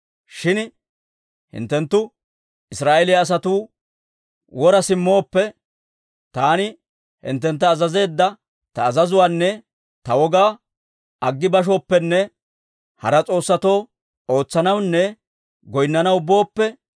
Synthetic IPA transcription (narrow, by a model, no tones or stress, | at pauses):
ʃɪn | hɪ̰nt̪ːɛnt̪ːʊ | ɪsɾaːʔelɪjaːs̬ɐt̪uː | wɔɾɐsɪmːo̞ːpːɛ | t̪aːnɪ | hɪ̰nt̪̬ːɛnt̪ːɐːzɐze̞ːd̪ːɐ | t̪ɐːzɐzʊwaːnːɛ | t̪ɐwɔɡaː | ɐɡːɪbɐʃ̬o̞ːpːɛnːɛ | hɐ̰ɾɐt͡sʼo̞ːsːɐt̪o̞ː | oːt͡sːɐnɐwnːɛ | ɡɔjnːɐnɐwʊbo̞ːpːɛ